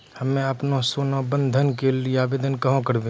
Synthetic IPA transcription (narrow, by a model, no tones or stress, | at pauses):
hɐmẽɐpnõsoːnobə̃nd̪ʱənkelieaːbeːd̪ənkɐɦõkəɾbẽ